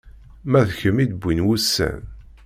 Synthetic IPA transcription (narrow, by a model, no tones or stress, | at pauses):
mæðçəmid̪bːinwusːæ̰n